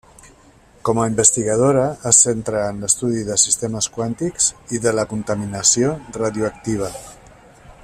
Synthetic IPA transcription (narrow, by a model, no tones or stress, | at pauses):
kɔmaimbəst̪iɣað̞oɾaəsent̪ɾaːnləst̪uðiðəsist̪eməskwant̪iksiðələkunt̪aminasioraðjuak̚t̪iβ̞a